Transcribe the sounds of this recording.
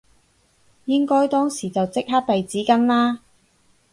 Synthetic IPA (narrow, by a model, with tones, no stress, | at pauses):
jɪ˥ŋkɔː˥jt̪ɔː˥ŋsiː˨˩t͡sɐ˨wt͡sɪ˥k̚ɦa˥t̚pe˨jt͡siː˨˥kɐ˥nlaː˥